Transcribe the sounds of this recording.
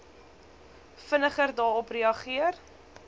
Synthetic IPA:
fənəχərdɑːɾɔpriɐχiər

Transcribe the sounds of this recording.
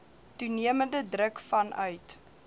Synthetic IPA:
tuniəməndədrəkfɐnʔœɥt

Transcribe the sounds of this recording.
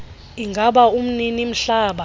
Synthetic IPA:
iŋɡʱaɓaum̩ninim̩ɬaːɓa

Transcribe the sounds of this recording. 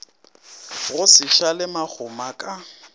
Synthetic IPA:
ɣʊsɪʃalɪmak͡xʰʊmakʼa

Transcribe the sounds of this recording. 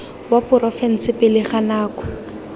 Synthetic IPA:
wapʊrɔfɛn̩sɪpɪlɪχanaːkɔ̥

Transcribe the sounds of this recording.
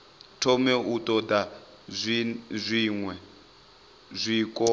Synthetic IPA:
tʰɔmɛutʼɔda | zʷiŋwɛ | zʷiːkʼɔ

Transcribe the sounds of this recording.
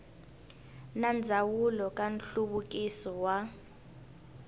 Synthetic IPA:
nand͡zʱawulɔkʼan̩ɬuɓukʼisɔwa

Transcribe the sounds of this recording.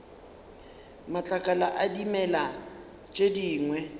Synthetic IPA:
mat͡ɬʼakʼalaʔadimɛla | t͡ʃʼediːŋwɛ

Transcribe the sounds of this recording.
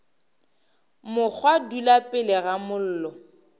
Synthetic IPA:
mʊk͡xʰwadulapʼɪlɪɣamʊl̩ːlɔ

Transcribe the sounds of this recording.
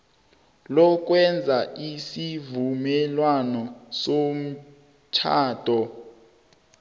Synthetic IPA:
lɔk̬ʼwɛnd͡zʱaʔisivumɛlwanɔsom̩ | t͡ʃʰaːtɔ

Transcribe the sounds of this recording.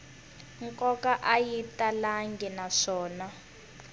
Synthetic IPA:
ŋkʼɔkaʔajitalaŋɡʱɛnaʂɔːna

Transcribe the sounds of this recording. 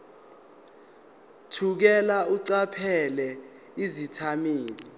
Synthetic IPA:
tʰuk̬ɛlauǀapʰɛlɛ | izitʰamiːli

